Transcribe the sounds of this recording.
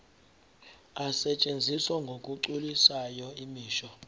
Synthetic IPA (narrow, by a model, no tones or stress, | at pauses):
asɛt͡ʃʼend͡zʱiswɔŋɡʱokʼuǃulisajɔimiːʃɔ